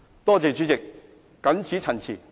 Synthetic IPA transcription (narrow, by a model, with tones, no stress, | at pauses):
t̪ɔː˥t͡se˨˩t͡ʃy˨˥t͡sɪ˨k̚ː | ɐ˨˥nt͡sʰiː˨˥t͡sʰɐ˨˩nt͡sʰḭː˨˩